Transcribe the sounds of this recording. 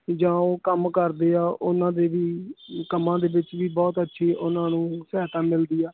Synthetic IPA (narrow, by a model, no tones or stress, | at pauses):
d͡ʒãːoːkəmkəɾd̪eːaːʔʊnãːd̪eːʋiːkəmːãːd̪eːbɪt͡ʃʋiːbɔːt̪ətːʃʰiːʔʊnãːnũːsɛːt̪ãːmɪld̪iːaː